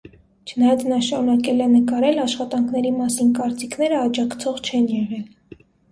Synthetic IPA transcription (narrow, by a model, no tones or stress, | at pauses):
t͡ʃʰənɑjɑt͡sʰnɑʃɑɾun̪ɑkɛlɛnəkɑɾɛlɑʃχɑt̪ɑŋkʰnɛɾimɑsinkɑɾt͡sikʰnɛɾəɑd͡ʒɑkʰt͡sʰɔʁt͡ʃʰɛnjɛʁɛl